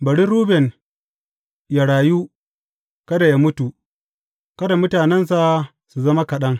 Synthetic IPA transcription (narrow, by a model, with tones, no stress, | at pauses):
bɐ˨ɽi˦ɾuː˦bɛ˨n | ja˦ɽaː˨ju˦ | kɐ˦da˨ja˦mʊ˦tu˨ | kɐ˦da˨mʊ˦taː˨nɛ˦ns̬a˨ | su˨zɐ˦ma˦kɐ˨ɗɐ˦ŋ